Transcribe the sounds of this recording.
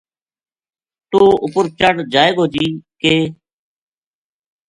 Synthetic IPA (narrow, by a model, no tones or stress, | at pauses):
t̪oːʊpʊɾt͡ʃəɽd͡ʒaːeːɡoːd͡ʒiːkeː